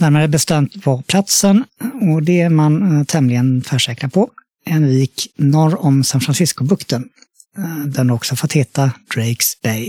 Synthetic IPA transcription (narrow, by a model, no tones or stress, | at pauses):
d̪̥æːɾmeːd̪æɾbɛst̪ɛmt̪vɔɾpʰlat̪sənɔd̪ɛmant̪ʰɛmlɪɡənfœʂɛːkɾapʰɔ | ɛnviːknɔɾɔmsanfɾansɪskʊbɵkt̪ən | d̪ænɔksɔfɔt̪heːt̪ad̪̥ɾɛksb̥ɛj